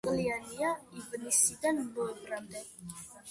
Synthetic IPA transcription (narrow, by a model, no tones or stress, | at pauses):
kəlianiaivənisid̪anbɔpɾant̪ɛt̚